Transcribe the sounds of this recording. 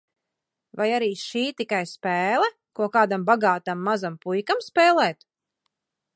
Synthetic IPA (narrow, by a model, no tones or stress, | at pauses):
vajaɾiːʃiːt̪ikajspɛːlˠɛ | kuɔkaːd̪ambaɡaːt̪amːazampujkamspɛːlˠɛːt̪